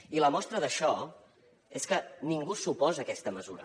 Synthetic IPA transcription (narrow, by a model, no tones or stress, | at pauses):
iləmɔst̪ɾəðəʃɔ | eskəniŋɡusupɔzəkɛst̪əməzuɾə̰